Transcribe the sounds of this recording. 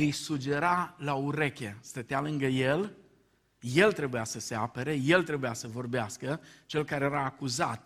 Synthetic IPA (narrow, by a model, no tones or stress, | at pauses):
ɨjsud͡ʒe̞ɾalauɾe̞kʲe̞st̪ət̪ealɨŋɡəje̞l | je̞lt̪ɾe̞bujasəseapəɾeje̞lt̪ɾe̞bujasəvo̞rbeaskət͡ʃe̞lkaɾejeɾaːkuza̰t̪̚